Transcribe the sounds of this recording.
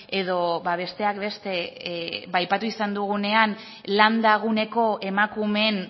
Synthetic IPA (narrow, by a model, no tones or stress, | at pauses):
e̞ðo̞baβ̞e̞st̪e̞akbe̞st̪e̞βajpat̪uisand̪uɣ̞une̞an | land̪aɣ̞une̞ko̞e̞makume̞n